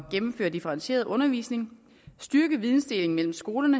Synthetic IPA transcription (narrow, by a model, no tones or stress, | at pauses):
ɡ̥emm̩fø̰ːɐd̥ifəʁɑ̈nɕe̝̰ːɐð̞̩ˠʔɔ̽nɐʋḭːsne̝ŋ | sd̥yɐɡ̥əʋiðˠn̩sd̥e̝le̝ŋ̩mel̰m̩sɡ̥o̝ːlɐnə